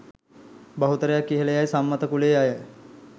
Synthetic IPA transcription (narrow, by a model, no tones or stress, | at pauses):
bəɦut̪əɾjakiɦelejajsamːat̪əkuleaɦe